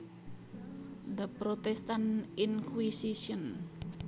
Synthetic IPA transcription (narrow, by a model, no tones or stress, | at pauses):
d̪əpɾot̪ɛst̪aninkwisisiɔn